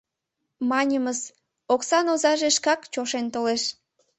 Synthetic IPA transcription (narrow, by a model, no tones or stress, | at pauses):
mɑnʲəməz | oksɑnozɑʒeʃkɑkt͡ɕoʃent̪oleʃ